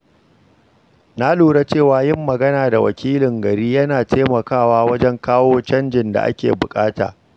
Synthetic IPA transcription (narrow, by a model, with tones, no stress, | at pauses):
na˦luː˨ɽa˦t͡ʃeː˦˨waː˨jɪ˦mːɐ˨ɡɐ˦naː˨da˨wɐ̰˨kʲʰiː˦lɪ˨ŋɡɐ˨ɾiː˦jɐ˦naː˨teː˦mɐ˨kaː˦˨waː˦wɐ˦d͡ʒɛ˦ŋkaː˦woː˦t͡ʃɐ˦nd͡ʒɪ˨nda̰˨ʔa̰˦kʲḛː˨bʊ˨kʼaː˦ta̰ː˨